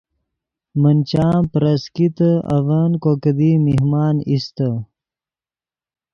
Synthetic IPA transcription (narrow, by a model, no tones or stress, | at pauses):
mənt͡ɕaːmpɾəskit̪əɐ̰vankokəd̪imihmaːnist̪ə